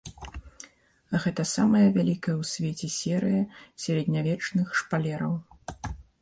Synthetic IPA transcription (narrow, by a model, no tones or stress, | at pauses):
ɣɛt̪ɐsamɐjɐvʲalʲikɐjɐwsʲvʲɛt͡sʲɛsʲɛɾɨjɐsʲɛɾʲɛd̪nʲavʲɛt͡ʂnɨxʂpalʲɛɾɐw